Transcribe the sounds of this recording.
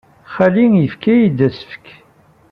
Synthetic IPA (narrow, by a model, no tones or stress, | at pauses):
χæliŋjəfkæjid̪æsə̥fə̥k